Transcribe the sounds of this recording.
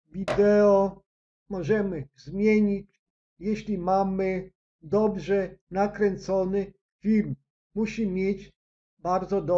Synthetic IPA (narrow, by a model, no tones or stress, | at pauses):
vʲid̪ɛɔ | mɔʐɛmɘzmʲjeɲit͡ɕ | jeɕlʲimamɘ | d̪ɔbʐɛnakɾɛnt̪sɔnɘ | fʲiɾm | muɕimʲjed͡ʑ | baɾd̪zɔd̪ɔ